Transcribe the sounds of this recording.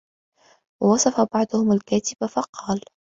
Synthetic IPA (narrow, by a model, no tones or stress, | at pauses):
wɑwɑsˤɑfabɑʕd̪ˤʊhʊmalkaːt̪ɪbafɑqʰɑːl